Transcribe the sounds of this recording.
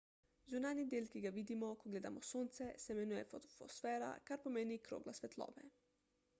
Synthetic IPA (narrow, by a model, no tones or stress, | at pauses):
zunaːnjid̪eːlkiɡaʋiːd̪imɔkɔɡleːd̪amɔsoːnt̪sɛsɛmɛnuːjɛfot̪ɔfosfɛːɾa̰kaɾpɔmeːnikɾo̰ːɡlasʋɛt̪lɔ̰ːʋɛ̰